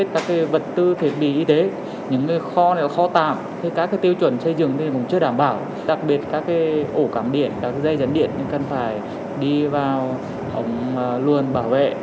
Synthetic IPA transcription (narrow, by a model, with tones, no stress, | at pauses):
e˦˥t̚kaː˦˥kːaː˨˦jvə˨˩t̚t̪ɨ˧t̪ʰi˨˦t̚ɓḭ˧˨ʔi˧t̪e˨˦ | ɲɨ̰˧˥ŋŋɨ˨˩jxɔ˧nɛ˨˧˦la˨˩xɔ˧t̪a̰ː˧˨mt̪ʰi˨˩kaː˦˥kːaː˨˦t̪i˧wt͡ɕwə˧˩nsə˧jzɨ˨˩əŋʰ˧˨˩kʊ̰˧˦ŋ͡mt͡ɕɨ˧ə˧ɗaː˧˩mɓaː˧˩w | ɗa˨˩k̚ɓi˨˩ət̚kaː˦˥kːaː˨˦jʔo˧˩kaː˨˩mɗḭ˧˩ənkaː˦˥k̚ːza˧jzə˨˦nɗḭ˧˨ənɲ˧ŋkə˨˩nfaː˧˩j | ɗi˧vaː˨˩w | ʔə˨˦wŋ͡mlu˨˩ənɓaː˧˩wvḛ˧˨